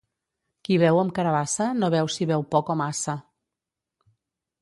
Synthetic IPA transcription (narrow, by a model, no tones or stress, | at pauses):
kiβɛwəmkəɾəβasənoβɛwsiβɛwpɔkomasə